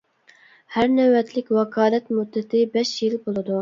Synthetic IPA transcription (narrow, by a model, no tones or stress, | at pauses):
hæɾnɛwɛt̪lɪkʲwɑkʰɑːlɛt̪mud̪ːɪt̪ʰɪbɛʃjilbolˠɨd̪u